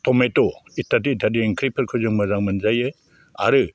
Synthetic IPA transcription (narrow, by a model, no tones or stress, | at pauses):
tʰɔmetoitʰːad̬iːtʰːad̬ieŋkʰɾipʰɯɾkʰɯzɯŋmɯzaŋmɯnzajɯ | a̰ɾɯ